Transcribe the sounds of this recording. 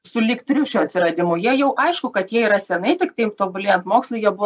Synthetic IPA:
sʊlʲɪkt̪ʲɾʲʊʃʲuːɐt̪ʲsʲɪɾɐd̪ʲɪmʊjiɛjɛʊʔɐɪʃkʊkɐt̪jiɛiɾɐsʲɛnɐɪt̪ʲɪkt̪ɐɪpt̪oːbʊlʲɪjɛnt̪moːkslˠʊɪjɛbʊ

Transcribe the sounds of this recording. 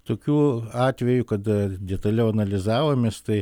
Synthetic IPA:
t̪oːkʲuːɑːt̪ʲʋʲɛjukɐd̪ɐd̪ʲɛt̪ɐlʲɛʊɐnɐlʲɪzɑːʋoːmʲeːst̪ɐɪ

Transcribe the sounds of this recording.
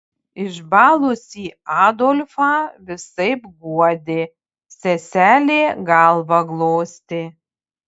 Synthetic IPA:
ɪʒbɑːlˠʊsʲiːɑːd̪oːlʲfɑːʋʲɪsɐɪpɡuɔd̪ʲeː | sʲɛsʲæːlʲeːɡɑlˠbɐɡlˠoːsʲt̪ʲɪ

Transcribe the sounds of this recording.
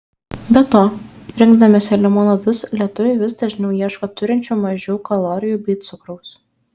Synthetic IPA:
bʲɛt̪oːɾʲɪŋɡd̪ɐmʲɪsʲɛlʲɛmoːnɐd̪ʊslʲiɛt̪ʊʋʲɛɪʋʲɪsd̪ɐʒʲɪnʲɛʊjiɛʃkoːt̪ʊɾʲɪnʲt͡ʃʲuːmɐʒʲɛʊkɐlˠoːɾʲɪjuːbʲiːt̪sʊkɾɔʊs

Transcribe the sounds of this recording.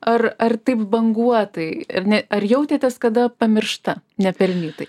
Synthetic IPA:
ɐrɐrt̪ɐɪpbɐŋɡuɔt̪ɐɪɐnʲɛɐrjɛʊt̪ʲeːt̪ʲɐskɐd̪ɐpɐmʲɪrʃt̪ɐnʲɛpʲɛlʲnʲiːt̪ɐɪ

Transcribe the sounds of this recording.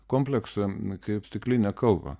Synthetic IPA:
koːmʲpʲlʲɛksɐkɐɪpsʲt̪ʲɪklʲɪnʲɛkɐlˠbɐ̰

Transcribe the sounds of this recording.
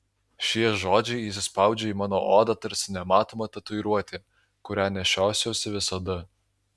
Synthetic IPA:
ʃʲiɛʒoːd͡ʒʲɛɪis̬ʲɪspɑˑʊd͡ʒʲɛiːmɑːnoːʔoːd̪ɑt̪ɐɾʲsʲɪnʲɛmɑːt̪oːmɐt̪ɐt̪ʊɪɾuɔt̪ʲɪ | kʊɾʲæːnʲɛʃʲæˑʊsʲoːsʲɪʋʲɪsɐd̪ɐ

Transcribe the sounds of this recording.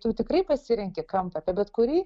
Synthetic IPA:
t̪ʊt̪ʲɪkrɐɪpɐsʲɪɾʲɛŋʲkʲɛkɐmpɐpʲɛbʲɛt̪kʊɾʲiː

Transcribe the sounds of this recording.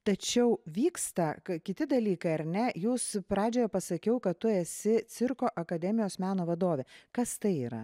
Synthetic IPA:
t̪ɐt͡ʃʲɛʊʋʲiːkst̪ɐkɐkʲɪt̪ʲɪd̪ɐlʲiːkɐɪɐɾʲnʲɛjuːspɾɑːd͡ʒʲoːjɛpɐsɐkʲɛʊkɐt̪t̪ʊɛsʲɪt̪t͡s̪ʲɪɾkoːʔɐkɐd̪ʲɛmʲɪjoːsmʲæːnoːʋɐd̪oːʋʲɛkɐst̪ɐɪiːɾɐ̰

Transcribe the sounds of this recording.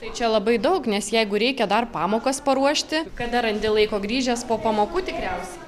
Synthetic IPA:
t̪ɐɪt͡ʃʲɛlˠɐbɐɪd̪ɐʊknʲɛsjɛɪɡʊɾʲɛɪkʲɛd̪ɐrpɑːmoːkɐspɐɾuɔʃʲt̪ʲɪkɐd̪ɐɾɐnʲd̪ʲɪlˠɐɪkoːɡɾʲiːʒʲɛspoːpɐmoːkuːt̪ʲɪkɾʲɛʊsʲɛ

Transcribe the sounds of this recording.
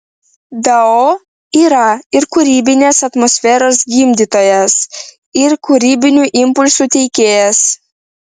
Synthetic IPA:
d̪ɐoː | iːɾɐɪɾkʊɾʲiːbʲɪnʲeːsɐt̪mɔsʲfʲɛːɾoːs̬ɡʲiːmʲd̪ʲiːt̪oːjɛs | ɪɾkʊɾʲiːbʲɪnʲuːʔɪmpʊlʲsuːt̪ʲɛɪkʲeːjɛs

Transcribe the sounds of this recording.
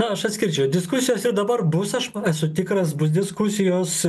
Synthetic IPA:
ɐɐʃɐt̪ʲsʲkʲɪɾʲt͡ʃʲɛʊd̪ʲɪskʊsʲɪjoːsɪɾd̪ɐbɐrbʊsɐʃæsʊt̪ʲɪkɾɐsbʊsd̪ʲɪskʊsʲɪjoːs

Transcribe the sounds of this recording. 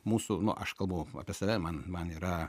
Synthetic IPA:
muːsʊnʊ̰ʔɐʃkɐlˠbɐʊɐ̰pʲiɛsɐʋʲɛmɐnmɐniːɾɐ

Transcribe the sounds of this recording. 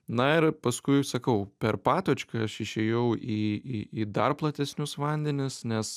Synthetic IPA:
nɐɪɾpɐskʊɪsɐkɐʊpʲɛɾpɑːt̪oːt͡ʃʲkɐɐʃɪʃʲɛːjɛʊʔiːiiːd̪ɐrplˠɐt̪ʲɛsʲnʲʊsʋɐnʲd̪ʲɛnʲɪsnʲɛs

